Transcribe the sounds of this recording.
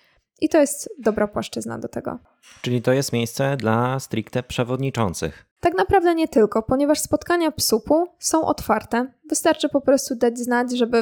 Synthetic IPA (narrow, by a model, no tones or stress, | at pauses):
ʔit̪ɔjɛst̪d̪ɔbɾapwaʂt͡ʂɘzna̰d̪ɔt̪ɛɡɔ̰ | t͡ʂɘlʲit̪ɔjɛst̪mʲejst̪sɛd̪last̪ɾʲikt̪ɛpʂɛvɔd̪ɲit͡ʂɔnt̪sɘ̰x | t̪aknapɾavd̪ɛɲɛt̪ɘlkɔpɔɲɛvaʂspɔt̪kaɲapsupusɔ̃w̃ʔɔ̰t̪faɾt̪ɛvɘst̪aɾt͡ʂɘpɔpɾɔst̪ud̪ad͡ʑznad͡ʑʐɛbɘ